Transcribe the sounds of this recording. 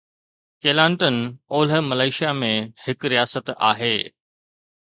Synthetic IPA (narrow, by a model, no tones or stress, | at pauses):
keːlãːɳʈənoːlɦə̆mɐlaːɪʃijamẽhɪkɾijaːsət̪a̰ːɦeː